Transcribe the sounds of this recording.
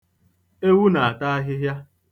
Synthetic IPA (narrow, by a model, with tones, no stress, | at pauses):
e˦wu˦na˨a˨ta˦a˦ɦɪ˦ɦja˦